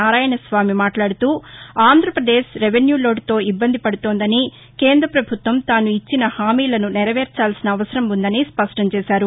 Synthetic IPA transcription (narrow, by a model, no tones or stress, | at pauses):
aːɾaːjɐɳɐsʋaːmimaːʈlaːɽut̪uːaːnd̪ʱɾɐpɾɐd̪eːʃɾeʋenjuːlo̞ːɖt̪o̞ːibːɐnd̪ʱipɐɽut̪oːnd̪ɐni | keːnd̪ɾɐpɾɐbʱut̪ʋɐmt̪aːnuit͡ʃːinɐhaːmiːlɐnunɛɾɐʋeːɾt͡ʃaːlsinɐːʋɐsɐɾɐmund̪ɐnispɐʂʈɐmt͡ʃɛːsaːɾu